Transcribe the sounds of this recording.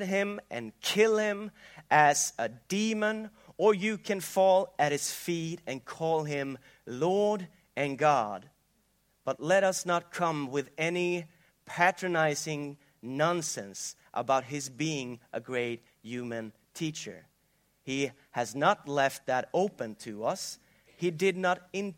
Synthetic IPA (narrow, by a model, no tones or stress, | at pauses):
ɾ̚ɪ̃mʔɨ̰̃nkʰɪlˠɪ̃mʔɨz̥ədimə̃n | ə˞jɨkʰɨ̃nfɔlˠɨt̚hɨz̥fiɾɨ̃nkʰɔlˠɪ̃m | lɔɹɾ | ɨ̃nɡɑd̚ | b̥ʌtˡlɛɾʌsnət̚kʰʌ̃mwɪðɛni | pʰæt͡ʃɹ̥ɨnaɪzɪ̃ŋ | nɑ̃nsɛ̃ns | ʔə̰baʊt̚ɦɨzbiɪ̃ŋʔəɡɹeɪt̚ | jʉmɨ̃n | tʰit͡ʃə̰˞ | i | ɨznətˡlɛft̪̚ðɨɾoʊpɨ̃ntʰɨʌs | hidɪdⁿnəɾɪ̃n